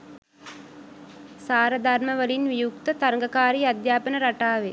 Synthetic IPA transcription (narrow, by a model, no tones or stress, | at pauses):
saːɾəd̪ʱarməʋəlinʋijukt̪ət̪aɾŋɡɐkaːɾiːad̪jaːpənəɾaʈaːʋe